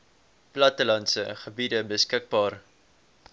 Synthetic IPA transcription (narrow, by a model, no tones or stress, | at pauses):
plɐtəlɐnsəχəbidəbəskək̚bɑːr